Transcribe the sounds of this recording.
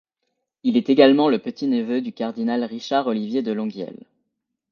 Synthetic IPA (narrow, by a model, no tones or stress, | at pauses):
ilɛt̪eɡalmɑ̃ləpət̪ʰinəvød̪ykaʁd̪inalʁiʃaʁɔlivjed̪əlɔ̃ɡjɛ̰l